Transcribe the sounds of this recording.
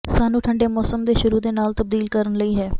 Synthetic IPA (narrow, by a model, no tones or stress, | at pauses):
saːnũːʈʰəɳɖeːmɔːsəmd̪eːʃʊɾuːd̪eːnaːlt̪əb̚d̪iːlkəɾənləiːɦɛː